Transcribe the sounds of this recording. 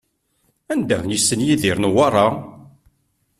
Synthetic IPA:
ænd̪æhnjisːənjiðiɾnwɑrˤːɑ

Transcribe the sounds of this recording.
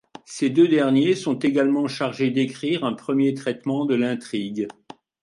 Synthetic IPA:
sed̪ød̪ɛʁnjesɔ̃t̪eɡalmɑ̃ʃaʁʒed̪ekχiʁɛ̃pχəmjet̪χɛt̪mɑ̃d̪əlɛ̃t̪χiɡ

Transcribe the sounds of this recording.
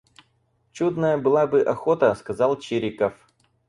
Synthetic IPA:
t͡ɕud̪nəjəbɨlˠabɨʔɐxot̪əskɐzalˠt͡ɕiɾʲɪkəf

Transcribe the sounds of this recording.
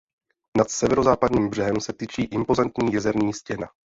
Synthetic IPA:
nat̪sɛvɛɾo̞zaːpadɲiːmbr̝ɛɦɛmsɛt̪it͡ʃiːʔɪmpo̞zant̪ɲiːjɛzɛɾɲiːscɛna

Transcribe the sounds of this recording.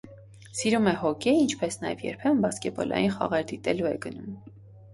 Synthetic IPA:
siɾumɛhɔkʲɛint͡ʃʰpɛsnɑjɛ̰vjɛ̰ɾpʰɛvəmbɑskɛbɔ̰lʔɑ̰jinχɑ̰ʁɛɾd̪it̪ɛluɛɡənum

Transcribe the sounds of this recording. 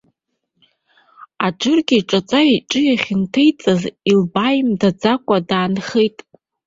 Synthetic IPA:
ad͡ʒɨrɡʲiʈ͡ʂʼat͡sʼaiʈ͡ʂʼɨjaχʲɪntʰe̞jt͡sʼazilbajɪmdad͡zakʷʼadaːnχejtʼ

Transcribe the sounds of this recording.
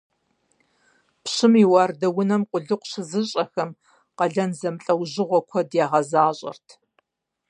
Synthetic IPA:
pɕɪmiwɑːrdɐwʊnɐmqʷʼʊɮɨqʷɕɪzɨɕʼɐxɐm | qɐɮɐnzɐmɬʼɐwʑɪʁʷɔkʷʰɔdjaːʁɐzaːɕʼɐ̰rtʰ

